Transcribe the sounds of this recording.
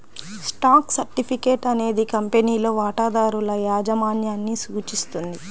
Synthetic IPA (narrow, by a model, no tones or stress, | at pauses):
sʈaːksɐɾʈipʰike̞ːʈɐne̞ːd̪ikɐmpe̞niːlo̞ːʋaːʈaːd̪aːɾulɐjaːd͡ʒɐmaːnjaːnːisuːt͡ʃist̪und̪i